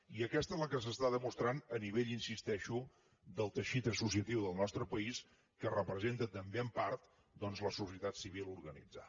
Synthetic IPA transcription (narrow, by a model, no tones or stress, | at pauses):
iəkɛst̪əezləkəs̬əst̪aðəmust̪ɾanəniβ̞eʎinsist̪ɛʃu | d̪əlˠt̪əʃit̪əsus̬iət̪iwðəlˠnɔst̪ɾəpəis | kərəpɾəzent̪ət̪əmbeəmpaɾt̪ | d̪ɔnzləsusiət̪at̪siβ̞ilˠuɾɣənḭd͡zə̰